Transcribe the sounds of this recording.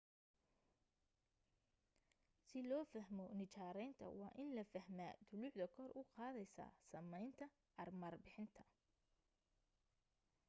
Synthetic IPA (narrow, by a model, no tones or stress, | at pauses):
sɪlɔːfɐɦmɔnɪt͡ʃaːɾɛjnt̪ʰɐ̰wɑ̰ːʔɪnlɐfɐɦma̰ːd̪ʊlʊħd̪ɐkʰɔrʔʊqɑːðɛjsa̰ːsɐmɛjnt̪ʰɐ | ʔɐrmɐrbɪħɪnt̪ʰɐ